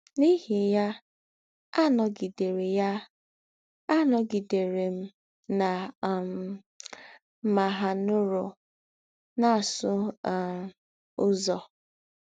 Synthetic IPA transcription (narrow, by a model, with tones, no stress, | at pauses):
ni˦ɦi˨ja˦ | a˦nɔ˨ɡi˨de˨ɾe˨ja˦ | a˦nɔ˨ɡi˨de˨ɾe˨m̩˦ | na˨m˨˦ | ma˨ɦa˨nʊ˦ɾʊ˨ | na˦˨sʊ˦˨ | ʊ˦zɔ˨